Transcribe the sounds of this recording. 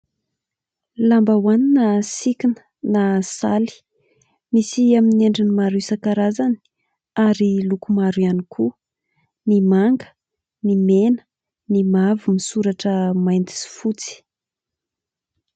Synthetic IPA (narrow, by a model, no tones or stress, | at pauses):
lambawaninasikinə̥ | nasali̥ | misiamineɳɖ͡ʐinimaɾusakaɾazani | aɾilukumaɾuanikʰu | nimaŋɡə̥ | nimenə̥ | nimavimisuɾaʈ͡ʂəmajnt̪i̥si̥fut͡si̥